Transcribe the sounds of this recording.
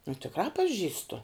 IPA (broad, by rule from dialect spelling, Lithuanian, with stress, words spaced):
nʊ tʲɪkˈrɑː pɐˈʒʲiːstʊ